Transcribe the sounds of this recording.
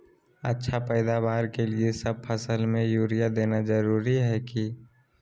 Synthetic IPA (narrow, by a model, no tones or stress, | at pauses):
ətːʃʰapɛːd̪aʋaːɾkeliesəb̚pʰəsəlmẽjuːɾijad̪eːnad͡ʒəɾuːɾiɦɛki